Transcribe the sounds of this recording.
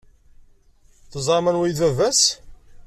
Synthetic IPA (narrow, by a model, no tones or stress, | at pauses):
θəzˤɾˤɑmænwæjðævæs